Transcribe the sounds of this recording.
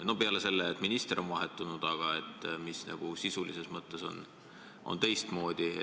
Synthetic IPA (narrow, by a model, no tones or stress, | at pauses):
no̞peɑlese̞lːeːt̪ːˑminist̪ero̞nvɑɦe̞t̪ːˑunud̪̥ɑɡ̥ɑe̞t̪ːˑmisnʔɑ̰ɡ̥usisulise̞smɤt̪ːˑe̞so̞̰n | ʔo̞̰nt̪e̞jst̪mo̞ːd̪̥ʲi